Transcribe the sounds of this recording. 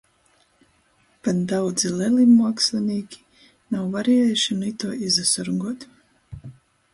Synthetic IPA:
pand̪awd̪zilɛlimuɔkslinʲiːkʲi̥ | nawvaɾijɛjʃinit̪uɔʔizasɔɾuŋɡuɔt̪

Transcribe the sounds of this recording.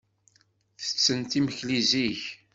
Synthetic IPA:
θə̥t͡sːənt̪iməçliziç

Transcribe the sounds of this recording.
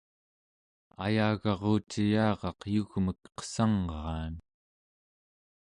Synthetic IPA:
a̰jaːɣɑʁoːt͡ʃijɑːʁɑqjuɣməkqə̥sɑŋʁɑːn

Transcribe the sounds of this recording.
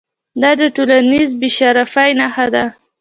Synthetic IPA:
d̪ɑd̪əʈolanizbiʃaɾafajnaxad̪a

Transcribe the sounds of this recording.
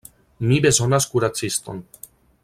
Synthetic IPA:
nibɛzɔnaskuɾat̪sist̪ɔ̰n

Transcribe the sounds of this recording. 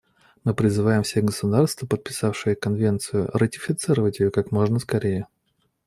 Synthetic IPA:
mɨpɾʲɪzɨvajɪmfsʲeɡəsʊd̪arst̪vəpət̪̚pʲɪ̥safʂɨjəkɐnvʲe̞nt̪sɨjʊ̰rʔətʲɪ̥fʲɪt̪sɨɾəvətʲjɪjokakmo̞ʐnəskɐɾʲejə

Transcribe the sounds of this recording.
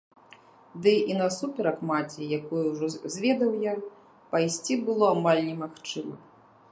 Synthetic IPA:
d̪ɨinɐsupʲɛɾɐkmat͡sʲɛjakujuwʐɔzʲvʲɛd̪ɐwja | pajsʲt͡sʲibɨlˠɔamalʲnʲɛmaxt͡ʂɨmɐ

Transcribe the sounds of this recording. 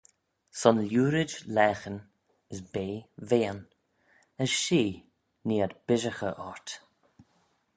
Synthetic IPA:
sɔnljuːɾɪd͡ʒlɛːxən | əsbeːveːən | əsʃiː | niːadb̥ɪʒəxəʔɔɹt̪

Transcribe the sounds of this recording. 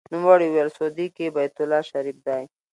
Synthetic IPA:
nʊmwɑɽiwelsod̪ikebajt̪ʊlɑʃaɾif̚d̪ɑj

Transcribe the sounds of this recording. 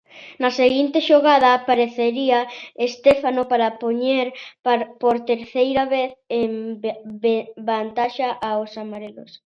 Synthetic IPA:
nɐseɣint̪eʃoɣaðɐːpaɾeθeɾiɐest̪efanopaɾɐpoɲeɾpoɾt̪eɾθejɾaβeθem | bant̪aʃɐʔaosamaɾelo̰s

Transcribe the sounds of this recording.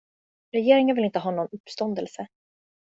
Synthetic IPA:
ɾɛjeːɾɪŋanvɪlɪnt̪əɦɑːnɔnɵpːst̪ɔnd̪ɛlsə

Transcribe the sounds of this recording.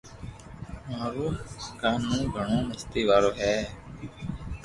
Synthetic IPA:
maːɾuːkaːnːũːɡʱəɳõːməst̪iːʋaːɾoːɦɛː

